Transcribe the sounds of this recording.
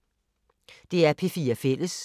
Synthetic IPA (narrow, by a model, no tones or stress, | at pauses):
d̥e̝æɐpʰe̝fiːɐfel̰əs